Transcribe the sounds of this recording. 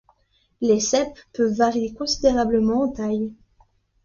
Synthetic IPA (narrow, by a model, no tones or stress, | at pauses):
lesɛpːøvːaʁijekɔ̃sid̪eʁabləmɑ̃ɑ̃t̪aj